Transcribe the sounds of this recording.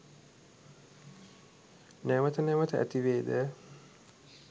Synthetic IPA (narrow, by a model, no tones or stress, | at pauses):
nɛʋət̪ənɛʋət̪əæ̰t̪iʋeːd̪ə